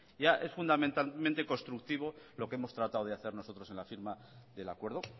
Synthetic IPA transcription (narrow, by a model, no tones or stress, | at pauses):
ʝaʔe̞sfund̪amẽnt̪amẽnt̪e̞ko̞nst̪ɾukt̪iβ̞o̞lo̞kee̞mo̞st̪ɾat̪awð̞eaθe̞ɾno̞so̞t̪ɾo̞se̞nlafiɾma | ðe̞lakwe̞ɾðo